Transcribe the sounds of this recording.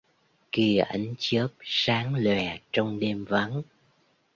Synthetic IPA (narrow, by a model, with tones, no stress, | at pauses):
ki˧əʔa˨˦jŋt͡ɕəː˦˥p̚saː˨˦ŋlwɛ˨˩t͡ɕɔ˧wŋ͡mɗe˧mva˨˦n